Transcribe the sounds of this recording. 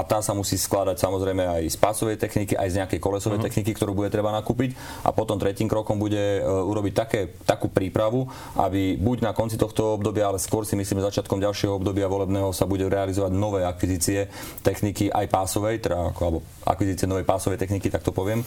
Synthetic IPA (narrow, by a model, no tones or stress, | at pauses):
at̪aːsamusiːsklad̪acsamɔzɾɛjmɛajspaːsɔʋɛjt̪ɛxnikiʔa̰jzɲɛakɛjkɔlɛsɔʋɛjt̪ɛxnikikt̪ɔɾuːbuɟɛt̪ɾɛbanakuːpic | ʔa̰pɔt̪ɔmt̪ɾɛciːmkɾɔkɔmbuɟɛuɾɔbic̚t̪akɛːt̪akuːpɾiːpɾaʋu | ʔa̰bibuɟnakɔnt͡sit̪ɔxt̪ɔɔbd̪ɔbɪaalɛskʊɔɾsimis̬liːmʒɛzat͡ʃɪat̪̚kɔmɟalʃɪɛɦɔɔbd̪ɔbɪaʋɔlɛbnɛːɦɔsabuɟɛɾɛalizɔʋaɟnɔʋɛːakʋiziːt͡siɛ | t̪ɛxnikiʔajpaːsɔʋɛjt̪ɛdaa̰kɔlɛbɔ | ʔa̰kʋiziːt͡siɪɛnɔʋɛjpaːsɔʋɛjt̪ɛxnikit̪ak̚t̪ɔpɔʋɪɛm